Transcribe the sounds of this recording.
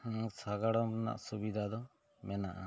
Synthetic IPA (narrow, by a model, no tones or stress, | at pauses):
saɡaɽɔmna̰ʔsubid̪ʱad̪ɔ | mɛnaʔa̰